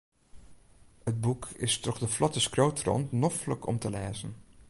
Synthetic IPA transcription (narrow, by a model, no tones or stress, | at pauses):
ət̚bukʰɪ̰stɔχdəflɔtəskroːwtrɔ̰ntnɔfləkʰɔ̰mtəlɛːzən